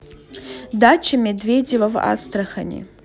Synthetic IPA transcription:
dat͡ʃʰɐmʲedvʲedʲevɐva̰st̪rɐxɐnʲḛ

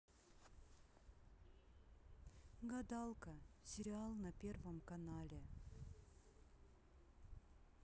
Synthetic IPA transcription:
ɡɐd̪alˠkəsʲɪɾʲɪalˠnɐpʲervəmkɐnalʲɪ

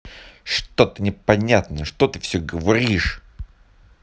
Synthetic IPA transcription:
ʂt̪ot̪ɨnʲɪpɐnʲat̪nəʂt̪ot̪ɨfsʲɵɡəvɐɾʲiʂ

